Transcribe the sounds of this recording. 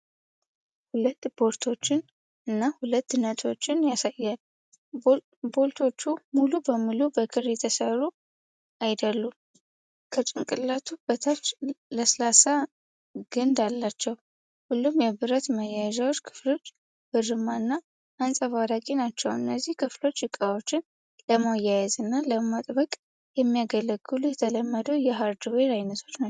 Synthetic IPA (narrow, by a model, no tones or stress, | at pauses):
hulət̪ːbo̞ɾt̪ʰo̞t͡ʃːɪn | ɨnːahulət̪ːnət̪ʰo̞t͡ʃːɪnjasajːal | bo̞lt̪ʰo̞t͡ʃːumulubəmːɨlubəkʰɨɾjɛt̪ʰəsəɾu | ajd̪əlːum | kʰət͡ʃʼɨŋkʼɨlːat̪ʰubət̪ʰat͡ʃːləslasa | ɡ̥ɨnd̪alːat͡ʃːɛw | hulːumjɛβɨɾət̪məjajʒawo̞t͡ʃːkʰɨ̥flo̞t͡ʃː | b̥ɨrɨmanːaː | nsʼəfaɾakʼinat͡ʃːɛwɨnːəzːihkʰɨflo̞t͡ʃːjɨkʼawo̞t͡ʃːɪn | ləmajajɛzɨnːaləmat̪ʼbəkʼ | jɛmːijaɡələɡːɨlujɛt̪ʰələmːəd̪əwjɛɦaɾd̪ɨweɾajnət̪ʰo̞t͡ʃna